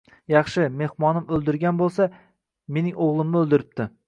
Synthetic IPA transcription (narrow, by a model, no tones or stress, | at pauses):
jɑχʃɪme̞hmɒnɪmɵlˠd̪ɪɾɡʲanbolˠsa | me̞nɪŋoʁlˠɪmnɪɵlˠd̪ɪɾɪp̚t̪ʰɪ